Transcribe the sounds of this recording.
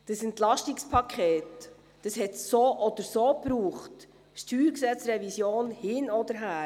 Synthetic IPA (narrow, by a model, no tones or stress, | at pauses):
d̥əsɛntlɑʃtikspʰɑkʰχeːt | d̥əshɛtsoːʔɔd̥əɾsoːpɾuːχt | ʃtyːɾksɛt͡srɛvisjoːnhɪnɔd̪əɾɦæː